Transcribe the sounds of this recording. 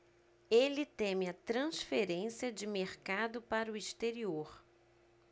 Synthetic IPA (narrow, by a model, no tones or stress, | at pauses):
elɪt̪ẽmɪɐt̪ɾɐ̃sfeɾẽsiɐd͡ʒɪmeɾkad̪ʊpaɾʊiʃt̪eɾioɾ